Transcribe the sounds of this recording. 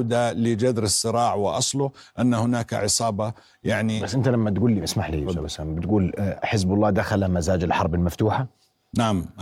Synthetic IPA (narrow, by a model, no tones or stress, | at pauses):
d̪alɪd͡ʒad̪ɾɨsˤːɨɾɑːʕwɪʔɑsˤlʊʔanːahʊnaːka̰ʕɪsˤɑːbɑ | jaʕnisʔɪnt̪alamːat̪ɡuːlːiɪsmaħlḭsambɪt̪ɡuːlħɪsbɑlˤːɑːd̪axalamazaːd͡ʒɪlħɑɾˤbɪlmaft̪uːħa | naʕamʔ